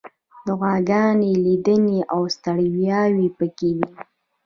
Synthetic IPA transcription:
d̪əɣaɡɑnelid̪əneʔawst̪əɽwjɑwipəkew̪i

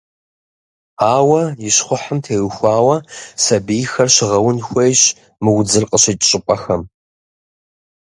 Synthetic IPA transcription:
aːwɐjɪɕχʷʊħəmtʰeːwxʷɑːwɐsɐbijxɐrɕɪʁɐwʊnxʷejɕ | mɨwd͡zɨrqʼəɕet͡ʃʼt͡ʃʼɪpʼɐxɐm

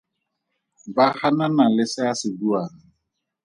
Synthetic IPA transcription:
bahananalɪsɪasɪdua

